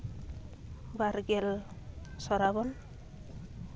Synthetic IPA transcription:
baɾɡel | sɔɾabɔn

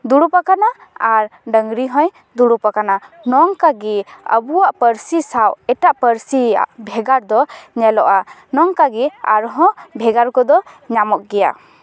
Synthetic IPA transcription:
d̪uɽupakana | aɾɖəŋɾiɦɔ̃j | d̪uɽupakana | nɔŋkaɡɛə̰buwaʔpəɾsisawɛʈaʔpəɾsia̰ʔbʱɛɡaɾd̪ɔɲɛlɔʔanɔŋkaɡɛa̰ɾɦɔ̃bʱɛɡaɾkɔd̪ɔɲamɔʔ̚ɡɛja̰

